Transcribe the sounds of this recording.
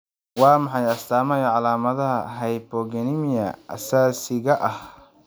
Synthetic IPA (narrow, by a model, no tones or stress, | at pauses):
wɑːmɑħɑjɐst̪ʰaːmɐjɐʕɑlaːmɐðɐɦɐ̰ɦɐjbɔɡɛnɪmɪjɐ̰ɐ̰saːsɪɣɐʔɐh